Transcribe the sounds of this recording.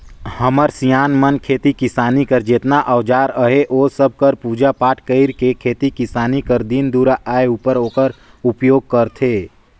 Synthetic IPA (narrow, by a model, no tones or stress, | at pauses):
həməɾsijaːnmənkʰeːt̪ikɪsaːnikəɾd͡ʒet̪naʔəʋd͡ʒaːɾəɦeʔoːsəb̚ʱkəɾpuːd͡ʒapaːʈʰkəɪɾkekʰeːt̪ikɪsaːnikəɾd̪ind̪uːɾaʔaːeupəɾɦoːkəɾ | ʊpjoːɡ̚kəɾt̪ʰeː